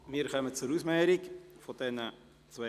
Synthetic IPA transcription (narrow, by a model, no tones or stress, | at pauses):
miːɾkœmət͡suɾusmɛːɾɪkfod̥ɛnə | t͡sve